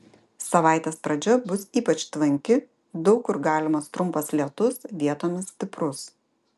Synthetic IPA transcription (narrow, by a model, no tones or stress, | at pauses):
sɐʋɑˑɪt̪ʲeːspɾɐd͡ʒʲɛbʊsiːpɐt͡ʃt̪ʋɐŋʲkʲɪ | d̪ɔʊkʊɾɡɑːlʲɪmɐst̪ɾʊmˑpɐslʲiɛt̪ʊsʋʲiɛt̪oːmʲɪssʲt̪ʲɪpɾʊs